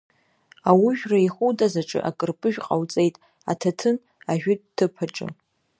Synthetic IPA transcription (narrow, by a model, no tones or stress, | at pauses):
awiʒᶣraiχudʼazaʈ͡ʂʼɨ̰ʔakʼɨrpʼɨʒᶣqʼawt͡sʼe̞jtʼ | a̰tʰatʰɨn | aʒᶣʊdtʰːɨpʰaʈ͡ʂʼɨ̰